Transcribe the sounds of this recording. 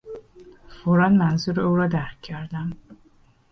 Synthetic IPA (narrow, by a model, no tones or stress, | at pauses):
foɾɒːnmænzuːɾeuːɾɒːd̪æɾcʰːæɾd̪æm